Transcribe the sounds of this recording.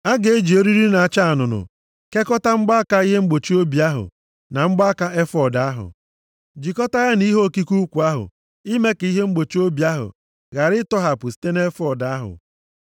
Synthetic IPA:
a˦ɡe˨e˦d͡ʒi˨o˦ɾi˦ɾi˦na˨a˨t͡ʃa˦a˨nʊ˨nʊ̰˨ | ke˦kɔ˦ta˦ŋ͡m̩˦ɡ͡ba˦a˦ka˦i˦ɦe˦ŋ͡m̩˦ɡ͡bo˨t͡ʃi˦o˦bi˨a˦ɦʊ̰˨ | na˨ŋ͡m̩˦ɡ͡ba˦ka˦e˦fɔ˨da˨˦ɦʊ̰˨ | d͡ʒi˨kɔ˦ta˦ɣa˦ni˦ɦo˦˨ki˦ku˦kʷu˨a˦ɦʊ̰˨ | i˦me˦ke˨˦i˦ɦe˦ŋ͡m̩˦ɡ͡bo˨t͡ʃi˦o˦bi˨a˦ɦʊ̰˨ | ɣa˨ɾɪ˦tɔ˦ɦa˨pʊ˨si̥˦te˦ne˦fɔ˦˨da˦ɦʊ̰˨

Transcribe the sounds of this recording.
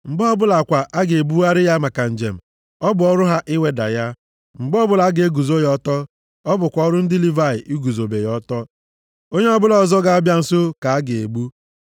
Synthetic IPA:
ŋ͡m̩˨ɡ͡bɔ˦bʊ˦la˨kʷa˨ʔa˦ɡe˨e˨bu˦wa˦ɾɪ˦ja˦ma˨ka˨n̩˨d͡ʒe˨m̩˨ | ɔ˦bʊ˨ɔ˦ɾʊ˦ɦa˦ʔɪ˦we˦da̰˨ja˦ | m̩˨ɡ͡bɔ˦bʊ˦la˨˦ɡe˨e˦ɡu˨zo˦jɔ˦tɔ˦ | ɔ˦bʊ˨kʷɔ˦ɾʊ˦n̩˦dɪ˦li˦va˦˨ɪ˨ʔi˦ɡu˨zo˨be˨jɔ˦tɔ˦ | o˦ɲe˦ɔ˦bʊ˦lɔ˨zɔ˦ɡa˦a˦bja˦n̩˨so˦ka˨a˦ɡe˨e˨bu˦

